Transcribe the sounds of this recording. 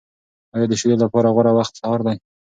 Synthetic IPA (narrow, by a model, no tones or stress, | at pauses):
ɑjɑd̪əʃijelapɑɾaɣwaɾawaxt̪sɑɑɾd̪aj